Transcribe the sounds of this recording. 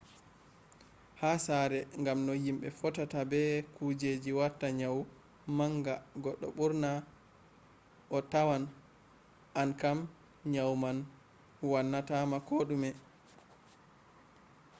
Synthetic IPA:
hasaɾɛŋɡamnɔjimɓɛfɔtatabɛkud͡ʒed͡ʒiwatːaɲaw | maŋɡaɡɔɗːɔ̰ɓuɾna | ʔɔtawan | ʔankam | ɲawman | wanːatamakoɗumɛ

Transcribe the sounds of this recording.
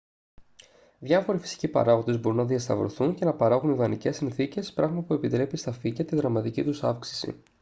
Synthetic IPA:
ðʝɐfo̞ɾifi̥si̥cipɐ̰ɾɐɣo̞d̪e̞zbo̞ɾunɐðiɐst̪ɐ̰vɾoθunce̞nɐpɐɾɐɣuniðɐnice̞sinθice̞spɾɐɣmɐpue̞pit̪ɾe̞pist̪ɐficɐt̪iðɾɐmɐt̪icit̪usɐfksi̥sḭ

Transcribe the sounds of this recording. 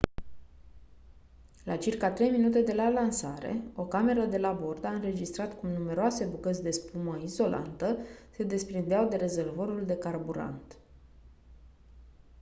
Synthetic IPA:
lat͡ʃirkat̪ɾe̞jminut̪e̞d̪e̞lalansaɾḛo̞kame̞ɾəd̪e̞labo̞rd̪aɨnɾe̞d͡ʒist̪ɾat̪kumnume̞ɾoase̞bukət̪sʲd̪e̞spuməizo̞lʔa̰nt̪əse̞d̪e̞spɾind̪eawd̪e̞ɾe̞zervoɾuld̪e̞karbuɾa̰nt̪

